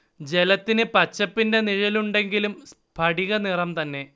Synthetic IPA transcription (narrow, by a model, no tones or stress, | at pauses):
d͡ʑe̞lɐt̪ːinɨpɐt͡ɕːɐpːinde̞niɻɐluɳɖe̞ŋɡilums | pʰɐɽiɣɐnirɐmt̪ɐnːe̞